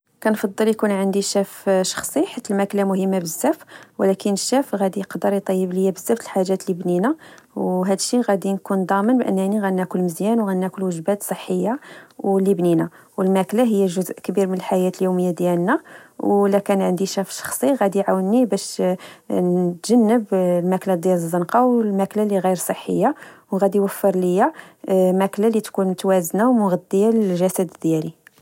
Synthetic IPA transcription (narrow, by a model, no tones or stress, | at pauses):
kænfɑd̪ˤːəljkunʕənd̪iʃæfʃɑ̥xsˤiħat̪ːəlmæklamʊhəmːabəzːæfwlækənəʃːæfɣæd̪ijqd̪əɾjt̪ˤːɑjːəbləjːæbəzːæft̪əlħaʒæt̪libninæwɦæd̪əʃːiɣæd̪inkund̪ˤɑmənbʔə̰nːæniɣænːækʊlːməzjænwɣænːækʊlwəʒbæt̪sˤəħːəjːawlːibninæ | wəlmæklaɦəjːæʒʊzʔkbiɾmənəlħajæt̪əljuməjːad̪jælnæwlækænʕənd̪iʃæfʃɑ̥xsˤiɣæd̪iʕawənːibæʃ | nt̪ʒ̥ænːəblmæklad̪jæləzˤːənqɑwlmæklaliɣijəɾsˤəħːə̰jːawɣæd̪ijwəfːəɾləjæmæklalit̪kunmʊt̪wæznawmʊɣæd̪ːəjaləʒæsæd̪d̪jæli